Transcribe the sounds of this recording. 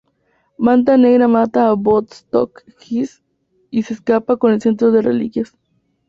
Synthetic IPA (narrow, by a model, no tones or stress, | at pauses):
mant̪̬aneɣɾamat̪aːbot̪st̪o̰k | xis | iseskapakonelsent̪ɾoðerelḭkjas